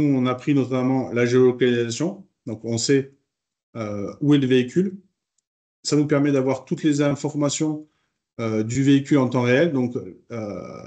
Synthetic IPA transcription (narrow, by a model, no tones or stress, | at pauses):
nuɔ̃napχinɔt̪amɑ̃laʒeolɔkalizasjɔ̃ | d̪ɔ̃kɔ̃sɛ | øuɛləveikʲʰyl | sanupɛʁmɛd̪avwaʁt̪ut̪lezɛ̃fɔʁmasjɔ̃ | ød̪yveikʲylɑ̃t̪ɑ̃ʁeɛld̪ɔ̃kø̰